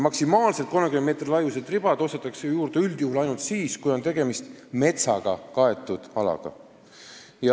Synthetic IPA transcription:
mɑksimɑːlse̞t̪̚ko̞nmekymeme̞t̪rlɑjused̪rib̥ɑd̪̥o̞st̪et̪ːˑɑksejuːɾd̪eyld̪̥juhulɑjnult̪siːskujo̞nt̪e̞ɡ̥e̞mist̪me̞t̪sɑɡ̥ɑkɑe̞t̪ːˑud̪̥ɑlɑ̰ɡ̥ɑ̰ | jɑ

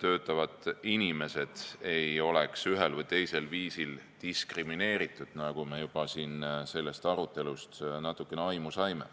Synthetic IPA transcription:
t̪ø̞ːt̪ːˑɑvɑd̪ˑinime̞se̞d̪̥e̞jo̞le̞ksyɦelvɤjt̪e̞jse̞lviːsilt̪iskrimine̞ːɾit̪ˑːud̪̥nɑɡ̥ume̞jub̥ɑsiːnse̞lːe̞st̪ɑɾut̪ːˑe̞lust̪nɑt̪ːˑukːˑe̞neɑjmusɑjme̞̰

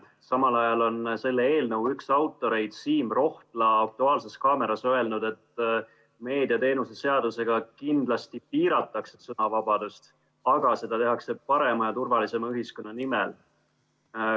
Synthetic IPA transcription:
sɑmɑlɑjɑlo̞nse̞lːee̞ːlnɤwyksɑwt̪ːˑo̞ɾe̞jd̪̥siːmro̞ht̪lɑɑk̚t̪uɑːlse̞skɑːme̞ɾɑsøe̞lnud̪̥e̞t̪ | me̞ːd̪iɑt̪e̞ːnuse̞se̞ɑd̪̥use̞ɡ̥ɑkind̪̥lɑst̪ipiːɾɑt̪ːˑɑksesɤnɑvɑbɑd̪̥ust̪ | ɑɡ̥ɑse̞d̪ɑt̪e̞ɦɑkse̞pɑɾe̞mɑjɑt̪urvɑlise̞mɑyɦisko̞nːɑnimɛl

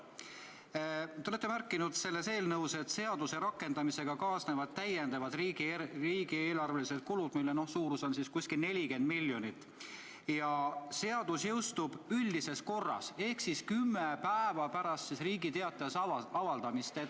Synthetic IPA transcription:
t̪eolet̪ːemærkːˑinud̪̥se̞lːe̞se̞ːlnɤwse̞t̪se̞ɑd̪̥use̞ɾɑkːˑe̞nd̪̥ɑmise̞ɡ̥ɑkɑːsne̞vɑd̪̚t̪æjend̪̥ɑvɑd̪̥riɡriːɡ̥ie̞ːlɑrve̞lise̞dt̪̚kulud̪̥milːeno̞hsuːɾuso̞nsiskusʲkilne̞lʲike̞nd̪milʲːjo̞nit̪ːˑ | jɑse̞ɑd̪̥usjɤwst̪ub̥ylʲd̪ise̞sko̞rːɑ̰se̞hksiskymːepæevɑpæɾɑst̪sisriːɡit̪e̞ɑt̪ːˑɑjɑsɑvɑld̪̥ɑmist̪et̪

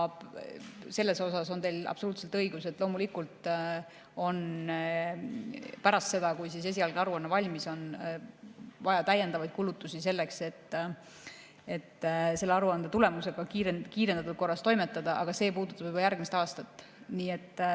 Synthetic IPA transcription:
se̞lːe̞so̞sɑso̞nt̪e̞lɑ̰b̥souːt̪se̞lt̪ɤiɡ̥use̞t̪ːˑlo̞ːmulikult̪ˑ | o̞n | pæɾɑst̪se̞d̪ɑkujsise̞s̬ʲiɑlɡɑɾuɑnːɑvɑlʲmiso̞n | vɑjɑt̪æje̞nd̪ɑvɑjd̪̥̚kulut̪ːˑusise̞lːe̞kse̞t̪ː | e̞t̪ːse̞lːeɑɾuɑnd̪̥et̪ule̞muse̞ɡ̥ɑkiɾekiːɾe̞nd̪ɑt̪ut̪ko̞rːɑst̪o̞jme̞t̪ːˑɑd̪̥ɑʔɑɡ̥ɑse̞ːpuːd̪ut̪ːˑɑb̥ebɑjærɡ̥mist̪ɑːst̪ɑt̪ːˑ | niːe̞t̪ːˑ

